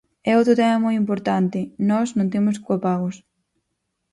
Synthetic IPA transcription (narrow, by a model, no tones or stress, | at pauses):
ɛowt̪ɾʊt̪ɛmɐmɔjimpoɾt̪ant̪ɪnɔznõnt̪̬emʊs̬kopaɣʊs